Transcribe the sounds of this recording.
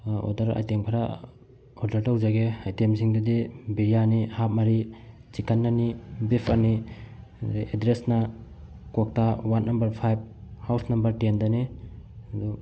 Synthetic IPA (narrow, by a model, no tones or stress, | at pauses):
ɔ̰daɾa̰jteŋpʰaɾa | ɔɾdaɾtawzaɡeajtemsiŋdudibiɾijanihap̚maɾi | t͡ʃikʰanːanibipʰaɾni | dʔedɾesna | kɔk̚tawanːambɐɾpʰajb̚hawsnɐmbɐɾtendani | du